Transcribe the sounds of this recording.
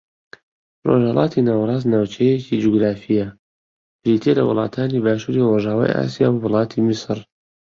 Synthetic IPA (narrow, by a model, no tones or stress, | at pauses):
roʒhɐlʔɑːt̪ʰinaːwɾˤɑːznaːwt͡ʃʰɛjecid͡ʒuɡɾaːfijɐ | bɾit̪ʰelɐ̰wʊ̰lˠɑ̰ːt̪ʰaːnibaːʃuːɾiroʒaːwa̰ːja̰ːsija̰ːbwʊlˠɑːt̪ʰimisɾ